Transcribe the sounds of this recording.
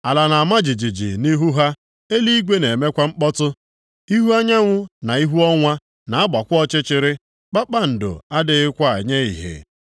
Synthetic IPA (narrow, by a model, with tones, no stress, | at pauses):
a˨la˨na˨a˨ma˦d͡ʒɪ˨d͡ʒi˨d͡ʒḭ˨ni˦ɦu˦ɦa˦ | e˦li˦i˦ɡʷe˦ne˨me˦kʷa˦ŋ͡m̩˦k͡pɔ˦tʊ˦ | i˦ɦu˦a˦ɲa˦ŋʷʊ˦na˨i˦ɦu˦ɔ˦ŋʷa˦ | na˨a˦ba˨kʷʊ˦ɔ˦t͡ʃɪ˦t͡ʃɪ˨ɾɪ˦ | k͡pa˦k͡pa˦n̩˨dʊ̰˨a˦dɪ˨ɪ˦kʷa˦a̰˨ɲe˦ḭ˨ɦḛ˨